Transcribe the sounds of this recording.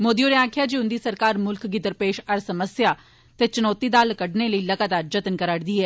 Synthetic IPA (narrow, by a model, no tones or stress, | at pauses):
moːd̪ijoːnẽːãːkʰjaːd͡ʒeːʊnd̪iːsəɾkaːɾmʊlkɡɪd̪əɾpeːʃəɾsəməsjaː | t̪eːt͡ʃʊnɔːt̪iːd̪aːlkəɖneːləiːləɡaːt̪aːɾd͡ʒət̪ənkəɾaːɽd̪iːɛː